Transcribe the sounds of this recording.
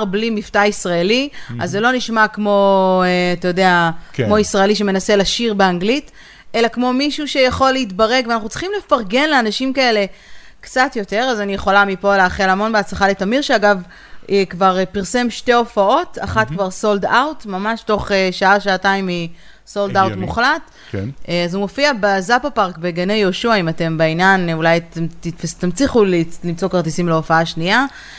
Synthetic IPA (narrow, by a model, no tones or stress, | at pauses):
ʁblimiftaisʁaeliazːelo̞niʃmakmo̞eatajo̞deakkmo̞isʁaeliʃ̬emenaselaʃiʁbeaŋɡlit | ʔe̞lakmo̞miʃuʃejaχo̞lːeitbaʁe̞ɡveanaχut͡si̥χimlefaʁɡe̞nleanaʃimkae̞le̞ | kt͡satjo̞te̞ʁazanijeχo̞lamipo̞leaχelamo̞nbeat͡slaχaletamiʁʃeaɡav | ekvaʁpiʁse̞mʃte̞o̞fao̞taχatkvaʁso̞ldawtmamaʃto̞χeʃaaʃaːtaimi | so̞ldawt̪muχlat | kazumo̞fiabezapapaʁkbeɡanejo̞ʃuaimate̞mbeinjanulajtmt̪itfast̪amt͡siχulilimt͡so̞kaʁtisimleo̞faaʃnia